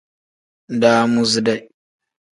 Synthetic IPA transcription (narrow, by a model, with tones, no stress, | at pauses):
daː˦mu˦zi˦da˨j